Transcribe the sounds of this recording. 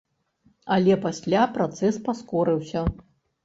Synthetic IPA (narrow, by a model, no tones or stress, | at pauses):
ɐlʲɛpasʲlʲapɾat̪sɛspaskɔɾɨwsʲɐ